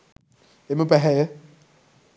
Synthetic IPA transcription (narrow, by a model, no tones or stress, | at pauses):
emɪpɛɦɛjɛ